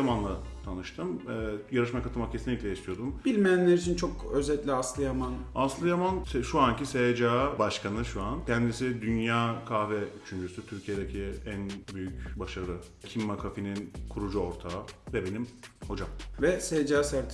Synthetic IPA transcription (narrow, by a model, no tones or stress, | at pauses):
jamanlˠat̪ʰanɯʃt̪ʰɯmɛːjaɾɯʃmakʰat̪ʰɯlˠmakcʰesinlʲːiclʲɛiʃt̪ʰijo̞d̪umbilʲmejænlʲeɾit͡ʃʰint͡ʃʰokøzɛt̪lʲiaslˠɯjamanaslˠɯjamansʃuancisejd͡ʒaːbaʃkʰanɯʃuancʰɛnd̪isid̪ynjaːkʰavɛyt͡ʃʰynd͡ʒysyt̪ʰyɾcʰijed̪ecʰiænbyjycbaʃaɾɯ | cʰimːakʰafininkʰuɾud͡ʒuo̞ɾt̪ʰavɛbe̞nimho̞d͡ʒamvɛsejd͡ʒaːsæɾt̪ʰ